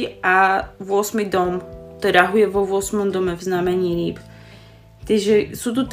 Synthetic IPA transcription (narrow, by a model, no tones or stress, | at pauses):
aʋʊɔsmid̪ɔmt̪ɔɾaɦujɛʋɔʋʊɔsmɔmd̪ɔmɛvznamɛɲiːɾiːp | t̪iɛʒɛsut̪ut̪